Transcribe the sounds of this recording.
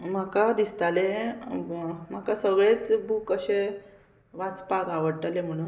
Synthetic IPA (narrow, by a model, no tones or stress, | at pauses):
m̤əkad̪ist̪ale | m̤akasəɡɭet͡sbʱukəɕe | ʋat͡spaɡaʋəɽʈ̪alem̤əɽ̃uːn